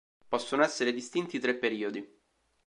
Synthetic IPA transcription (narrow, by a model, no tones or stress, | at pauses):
pɔsːonoɛsːeɾed̪ist̪int̪iːt̪ɾepːeɾiːod̪i